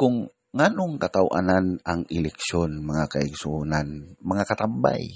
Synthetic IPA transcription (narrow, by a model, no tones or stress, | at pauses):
kʊŋː | anʊŋkat̪awʔa̰nanaŋɪlɛksonmaŋakaɪɡsunanmaŋakat̪amba̰j